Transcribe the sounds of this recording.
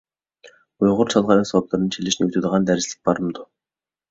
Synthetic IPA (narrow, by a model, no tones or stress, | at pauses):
ʊjʁʊ̆rt͡ɕʰaɮʁaːɾiːŋsɔplăɾɘ̆nt͡ɕʰeɮɘ̆ʃnɵwt̪uːt̪̆ʁaːnt̪æɾʲɪ̆si̥k̚paɾə̆mt̪ʊ